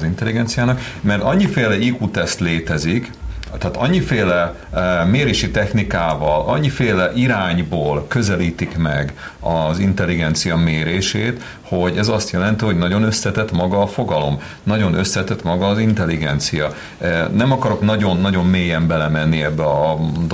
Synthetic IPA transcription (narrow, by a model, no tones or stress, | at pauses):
zint̪ɛliɡɛnt̪sijaːnɒk | mɛrt̪ɒɲːifeːlɛikut̪ɛst̪leːt̪ɛzik | t̪ːaːt̪ɒɲːifeːlɛ | meːɾeːʃit̪ɛxnikaːvɒlɒ̰ɲːifeːlɛʔiɾaːɲboːlkø̞zɛliːt̪ikmɛ̰ɡ | ɒzint̪ɛlːiɡɛnt̪sijɒmeːɾeːʃeːt̪ | ho̞ɟɛzɒst̪jɛlɛnt̪iɦo̞ɟnɒɟo̞nø̞slɛt̪ɛt̪mɒɡɒːfo̞ɡɒlo̞m | nɒɟo̞nø̞slɛt̪ɛt̪mɒɡɒːzint̪ɛliɡɛnt̪sijɒ | nɛmɒkɒɾo̞knɒɟo̞nːɒɟo̞mːeːjɛmbɛlɛmɛnːiɛbːɛɒd̪o